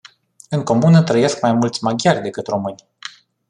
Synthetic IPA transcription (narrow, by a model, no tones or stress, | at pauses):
ɨŋko̞munət̪ɾəje̞skmajmult̪sʲmaɡʲjarʲd̪e̞kɨt̪ro̞mɨnʲ